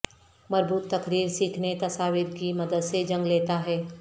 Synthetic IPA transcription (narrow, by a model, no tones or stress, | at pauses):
mɐɾbuːt̪ːɐkɾiːɾsiːkʰnet̪ɐsaːʋɪɾkimɐd̪əd̪sed͡ʒɐ̃ŋɡleːt̪aɦɛː